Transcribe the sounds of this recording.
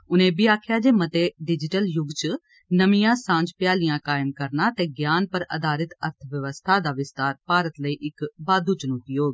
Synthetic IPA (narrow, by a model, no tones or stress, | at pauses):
ʊnẽːbiːaːkʰjaːd͡ʒeːmət̪eːɖɪd͡ʒɪʈəljʊɡt͡ʃ | nəmijãːsãːd͡ʒpjaːlɪjãːkaːɪmkəɾnaːt̪eːɡjaːnpəɾə̰d̪aːɾɪt̪əɾt̪ʰəʋjəʋəst̪ʰaːd̪aːʋɪst̪aːɾpaːɾət̪ləiːʔɪkbaːd̪uːt͡ʃənuːt̪iɦoːɡː